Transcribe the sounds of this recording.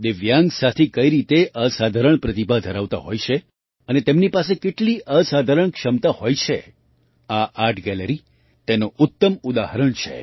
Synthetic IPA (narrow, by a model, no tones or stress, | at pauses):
d̪ɪʋjãŋɡsat̪ʰekəiɾit̪eʔəsad̪ʱaɾəɳ̃pɾət̪ibʱad̪ʱəɾaʋt̪a̰ɦojt͡ʃʰe | ənet̪emnipasekeʈliʔəsad̪ʱaɾəɳkʃəmt̪ahojt͡ʃʰe | aʔaɾʈʰɡɛləɾi | t̪enoʊt̪ːəmud̪aɦəɾəɳt͡ʃʰḛ